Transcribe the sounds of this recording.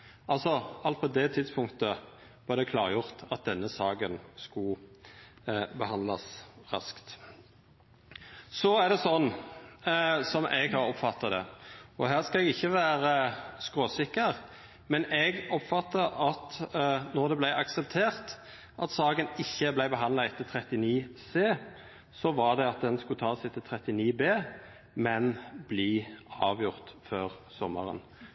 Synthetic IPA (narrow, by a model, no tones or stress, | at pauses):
ʔɑlsɔɑlt̪̚pʰɔd̪ɛt̪ʰɪd̪spʰʊŋkt̪ə | b̥ɛːʁd̪ɛkʰlɑːʁjʊʁt̪ɑt̪̚d̪ɛnːəsɑːɡənskʊ | bəhɑnd̪lɑsʁɑ̰skt̪ | sɔæʁd̪ɛsɔnː | sɔmʔɛɡhɑɾɔpfɑt̪ːɑd̪ɛ̰ɔɦæːʁskɑɛɡɪçːəʋæːɾəskʁoːsɪkːəʁ | mɛnɛɡɔpfɑt̪ːəɑt̪nɔʁd̪ɛblæɪʔɑksɛp̚t̪ʰeːʁt̪ | ʔɑt̪sɑːɡənɪçːəblæɪbəɦɑnd̪lɑɛt̪ːət̪ʰɾɛt̪ɪniːseː | sɔʋɑʁɖ̪ɛɑt̪̚d̪ɛnskʉt̪ʰɑːsɛɪt̪ʰɪlt̪ʰɾɛt̪ɪniːbeː | mɛnbliːɑ̰ːʋjʊʁt̪føːʁsɔmːə̰ɾə̰n